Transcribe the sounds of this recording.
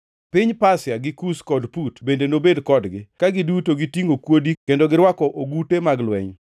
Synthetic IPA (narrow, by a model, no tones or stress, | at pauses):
pɪɲpasjaɡɪkuskɔdputbendenobedkɔdɡɪkaɡɪdutoɡitiŋokwodikendoɡɪɾwakɔʔoɡutemaɡlwɛ̰ɲ